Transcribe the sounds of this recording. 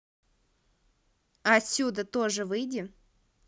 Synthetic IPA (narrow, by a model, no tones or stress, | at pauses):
ɐɐt̪ʲsʲud̪ət̪oʐɨvɨjdʲɪ